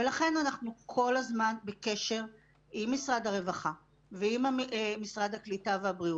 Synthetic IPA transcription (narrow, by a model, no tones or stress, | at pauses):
velaχe̞nanaχnukʰo̞lazmanbeke̞ʃe̞ʁ | ʔimːisʁadhaʁe̞vaχa | veimamisʁad̪haklitaveabʁiu